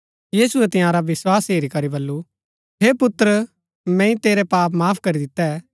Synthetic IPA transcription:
jiːsʊɛt̪ɪ̃jãːɾaʋɪswaːsɦeːɾikɐɾibɐlːu | ɦeːpʊt̪ɾ | mɛ̃ːĩt̪eːɾɛpaːpmaːpʰkɐɾid̪ɪt̪ːɛ

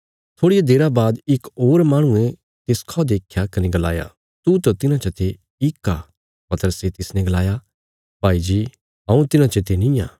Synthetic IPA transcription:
t̪ʰoːɽijad̪eːɾabaːd̪ɪkoːɾmaːɽ̃ũẽ | t̪eskʰɔd̪eːkʰjakɐneɡɐla̰ːja̰ | t̪ut̪ɐt̪ɪnãt͡ʃɐt̪ʰe | ɪkːa | pɐt̪əɾəset̪ɪsnɛ̃ɡɐlaːja | bʱaːid͡ʒiː | ɦɐ̃ːũt̪ɪnãt͡ʃɐt̪ʰenĩjaː

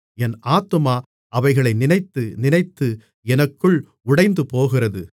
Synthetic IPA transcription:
ɛnʔaːt̪ːɯmaː | ʔɐʋɐɪɣɐɭɐɪnɪnɐɪt̪ːɯnɪnɐɪt̪ːɯ | ɛnɐkːɯɭ | ʊɽɐɪnd̪ɯpoːɣɪrɐðɯ

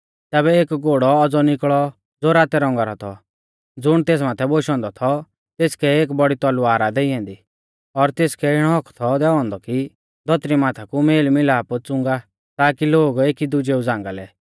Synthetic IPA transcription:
t̪ɛːbɛeːkɡoːɽɔɔd͡zɔnɪkɭɔ | d͡zoːɾaːt̪ɛɾɔ̃ŋɡaɾɔt̪ʰɔ | d͡zʊɽ̃t̪eːs̬maːt̪ʰɛboʃɔ̃nd̪ɔt̪ʰɔ | t̪eːskɛeːk̬bɔɽit̪ɔlʊaːɾad̪ɛiɛ̃ːnd̪i | ɔɾt̪eːskɛɪɽ̃ɔɦɔkʰt̪ʰɔd̪ɛɔ̃ːnd̪ɔki | d̪ʱɔt̪ɾimaːt̪ʰakumeːlmɪlaːpʊt͡sʊ̃ŋɡa | t̪aːkiloːɡeːkid̪ʊd͡ʒeːud͡zãːŋɡalɛ

